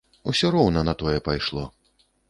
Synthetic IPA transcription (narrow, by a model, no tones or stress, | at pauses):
usʲɔɾɔwnɐnɐt̪ɔjɛpajʂlˠɔ̰